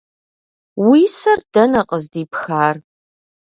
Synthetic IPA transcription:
wisɐrd̥ɐnɐqʼəzdiːpxaːr

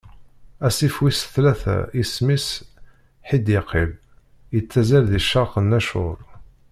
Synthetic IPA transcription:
æsifwisθlæθæ̰ismis | ħid̪jəqʰːɪl | jət͡sːæzælðiʃːɑqənːæʃʊ̰ɾˤ

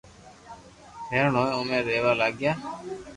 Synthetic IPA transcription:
ɦeːɾɳoːjʊmẽːɾeːʋaːlaːɡjaː

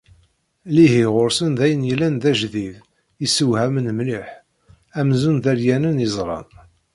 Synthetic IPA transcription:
lihiʁoɾsənðæjənjəlːænðæʒðiv | isəwhæmənmliħ | æmzunðæɾjænənəzˤɾˤɑ̰n

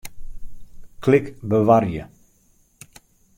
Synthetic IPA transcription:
kʰlɪkbəʋarjə

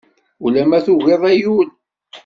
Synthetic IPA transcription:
ulæmæθuɣeðˤæjul

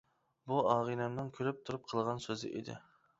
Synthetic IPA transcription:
buɑʁinɛmnɨŋkʲʰøɾyp̚t̪ʰuɾup̚qʰəlˠʁɑnsøzɪ̰ʔḛd̪ɪ̰

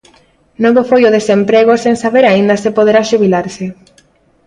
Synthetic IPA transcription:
noβofojoðesempɾeɣ̞osensaβeɾaind̪asepoðeɾaʃuβ̞ilaɾse

